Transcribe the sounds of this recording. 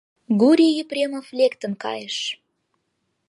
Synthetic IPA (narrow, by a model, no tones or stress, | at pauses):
ɡuɾʲijyprʲemoflʲekt̪ə̆nkɑ̰jəʃ